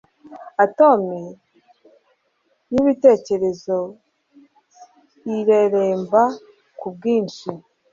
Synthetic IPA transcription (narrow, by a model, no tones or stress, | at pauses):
ato̞mi | niβite̞ːce̞ɾe̞zo̞ | iɾeɾeːmba | kub̚ɡiːnʃi